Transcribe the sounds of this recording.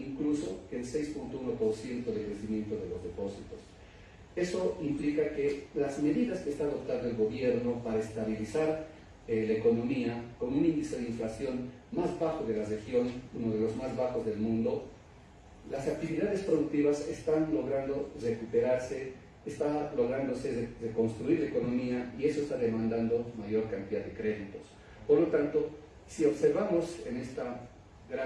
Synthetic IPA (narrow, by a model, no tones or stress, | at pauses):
iŋkluso̰kelse̞jspunt̪ouno̞po̞ɾsje̞nt̪oðekɾesimje̞nt̪oðelozðepo̞sit̪os | e̞so̞implikakelazme̞ðiðaskeːst̪aːðo̞p̚t̪and̪oelɣo̞βjeɾnopaɾaest̪aβilisaɾ | elaeko̞no̞miako̞nunĩnd̪isjoðeiɱflasjo̞n | mazβaxoðelarexjo̞nunoð̞elo̞zmazβaxozðelmũnd̪o̞ | lasak̚t̪iβiðaðe̞spɾoðuk̚t̪iβasest̪anlo̞ɣɾand̪ore̞kupe̞ɾaɾseː | st̪alo̞ɣ̞ɾand̪o̞se̞reko̞nst̪ɾuiɾlaeko̞no̞miaie̞soest̪aðemãnd̪and̪o̞maʝo̞ɾkant̪iðaðekɾe̞ðit̪os | poɾlo̞t̪ant̪o̞ | sio̞βse̞ɾβamo̞senest̪a | ɣɾa